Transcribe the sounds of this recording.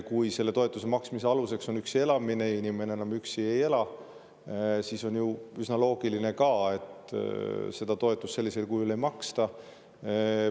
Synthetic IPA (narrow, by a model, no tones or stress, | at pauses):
kujse̞lːe̞t̪o̞e̞t̪ːˑus̬e̞mɑksmiseɑluse̞kso̞nyksie̞lɑmine̞inʲime̞neenɑmyksieje̞lɑ | siːso̞njuysnɑlo̞ːɡ̥iline̞kɑe̞t̪ | se̞d̪̥ɑt̪o̞e̞t̪ːˑusse̞lːise̞lkujule̞jmɑkst̪ɑ